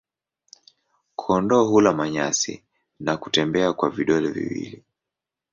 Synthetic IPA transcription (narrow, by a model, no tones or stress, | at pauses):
kʰɔndɔɦulamaɲa̰sḭ | naku̥tɛmbɛakwaviɗɔlɛvḭwḭli